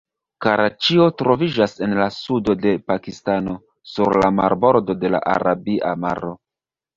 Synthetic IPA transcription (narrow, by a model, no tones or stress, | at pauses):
kaɾat͡ʃio̞tɾo̞vid͡ʒase̞nlasudo̞de̞pakistano̞ | suɾlamaɾbo̞ɾdo̞de̞la̰ʔa̰ɾabiʔama̰ɾo̞